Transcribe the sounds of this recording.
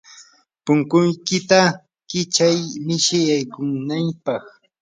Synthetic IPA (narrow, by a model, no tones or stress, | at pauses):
pʊŋkʊjkɪt̪a | kɪt͡ʃajmɪʃɪjajkʊŋnampɑχ